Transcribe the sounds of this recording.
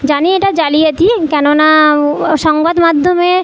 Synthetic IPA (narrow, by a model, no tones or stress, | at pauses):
d͡ʑanieʈad͡ʑalijet̪ikɛnonaʃɔŋbad̪mad̪ʱːome